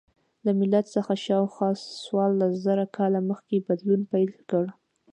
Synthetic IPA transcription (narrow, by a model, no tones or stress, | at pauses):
lamɪlat̪səxaʃɑwxwɑsswɑlːaszaɾakʰɑlaməxkebad̪lunpajlkəɽ